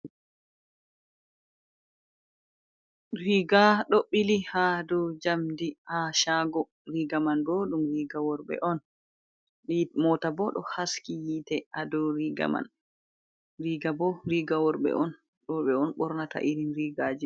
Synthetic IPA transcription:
ɾiɡaɗɔɓːilihadɔd͡ʒamdihaʃaɡɔ | ɾiːɡamanɡoɗumɾiːɡawɔɾɓɛ̰ʔɔn | imɔtabɔɗɔ̰haskijitɛʔadɔɾiɡa̰ma̰n | ɾiɡabɔɾiɡawɔɾɓɛ̰ʔɔn | ɗɔɓɛɔnɓɔɾnata̰ʔiɾinɾiːɡaːd͡ʒi

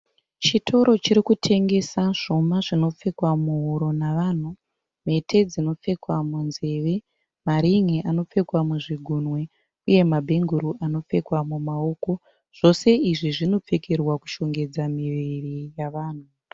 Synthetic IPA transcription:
t͡ʃitʰo̞ɾo̞t͡ʃiɾikutʰe̞ŋɡe̞saʐo̞maʐino̞p͡fe̞kwamuɦoɾo̞naʋaːn̤u | me̞tʰe̞d͡zino̞p͡fe̞kwamunze̞ʋe̞ | maɾiŋiʔano̞p͡fe̞kwamuʐiɡʱunwe̞ | uje̞mabʱe̞ŋɡuɾuʔano̞p͡fe̞kwamumaoːko̞ | ʐ̥o̞se̞iʐiʐino̞p͡fe̞kerwaku̥ʃo̞ŋɡe̞d͡zamiʋirijaʋaːn̤u

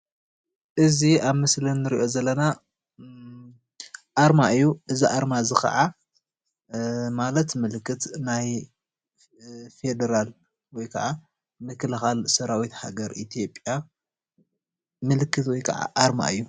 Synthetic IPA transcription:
ʔɨziaβmɨslɐnːɨɾiʔo̞zɐlːɐna | ʔaɾmaɨjːuʔɨziʔaɾmazɨxɐ̰ʕa | malɐt̪mɨlɨkʰːɨt̪naj | fe̞d̪ɐɾal | wɔjkʰɐʕa | mɨkʰɨlɨxalsɐɾawit̪ha̰ɡɐɾʔit̪ʰijo̞pʼːja | mɨlɨkʰːɨt̪wɔjkʰɐ̰ʕa̰ʔaɾma̰ɨjːu

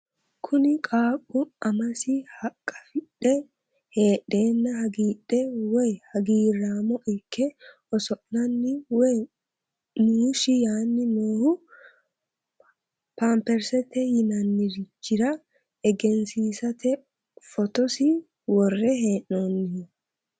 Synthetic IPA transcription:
kʰʊnɪkʼaːkʼːʊɐmɐsɪhɐkʼːɐ̥fɪɗɛ | he̞ːɗːe̞ːnːɐhɐɡiːɗːɛwɔjhɐɡiːrːaːmɔʔɪkʰːɛ | ɔsɔʔnɐnːɪwɔj | nuːʃɪjaːnːɪnoːhʊ | pampɛɾsɛt̪ɛjɪnɐnːɪɾɪt͡ʃːɪɾɐ | ɛɡɛnsiːsɐt̪ʰɛ | fɔt̪ɔsɪ | wɔrːɛɦe̞ːʔːoːnːɪ

